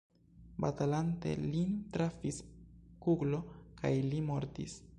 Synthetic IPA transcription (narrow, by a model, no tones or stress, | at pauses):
batalante̞̰lintɾafiskuɡlo̞kajlimo̞ɾtis